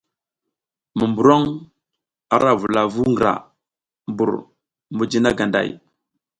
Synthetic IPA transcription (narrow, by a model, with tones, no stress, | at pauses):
mu˨mbu˨ɾo˦ŋ | a˨ɾʔa˦vu˨la˨vu˦ŋɡə˨ɾa̰˨ | mbu˨ɾ | mu˨d͡ʒi˦na˦ɡa˨nda̰˨j